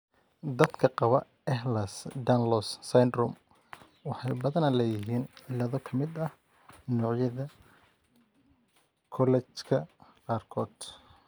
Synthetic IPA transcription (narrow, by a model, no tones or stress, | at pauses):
d̪ɐd̪kʰɐqɑβɐ | ɛhlɐsd̪ɐnlɔsːɐjnd̪rɔm | wɑħɑjbɐðɐnɐlɐjɪɦiːnʕɪlɐðɔkʰɐmɪd̪ɐh | nɔːʕjɐðɐ | kʰɔlɛt͡ʃkʰɐqɑːrkʰɔːd̪